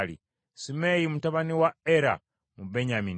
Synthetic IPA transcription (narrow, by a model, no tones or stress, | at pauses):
lḭ | simejimutaβaniwaeɾa̰ | mube̞ɲamin